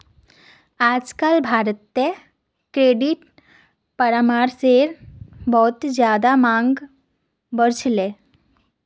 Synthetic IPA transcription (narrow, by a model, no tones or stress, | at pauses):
ad͡zkalbʱaɾt̪ːe | kɾeɖiʈ | pəɾamaɾseɾbɔt̪d͡ʑjad̪amaŋɡ | bəɾt͡ɕle